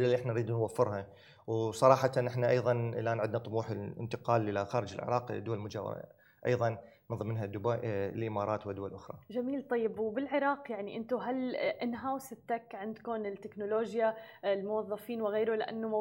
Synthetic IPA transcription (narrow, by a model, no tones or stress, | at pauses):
alːalːiʔɪħnanɾiːd̪nwafːɪɾha | wsˤɑɾˤɑːħɑt̪anʔɪħnaʔɑjðˤɑnʔɪlʔaːnʕɪd̪nat̪ˤʊmuːħɪlɪ̰nt̪ɪqɑːlʔɪlaxaːɾɪd͡ʒɪ̰lʕɪ̰ɾˤɑːqd̪ʊwalmʊd͡ʒa̰ | ʔɑ̰jðˤɑnː | nðˤɨmːɪnɦad̪ʊbaʔlʔɪmɑːɾˤɑːt̪wɪd̪ʊwalʔʊxɾˤɑ̰d͡ʒamiːlt̪ˤɑjːɪbwbɪlʕɪɾˤɑːqjaʕniʔɪnt̪ʊɦalʔɪnɦawsɪt̪ːakʕɪnd̪kʊnɪlt̪ːɪknʊloːʒjalmʊwɑðˤːɑfiːnwɪɣeːɾʊlɪʔa̰nːʊm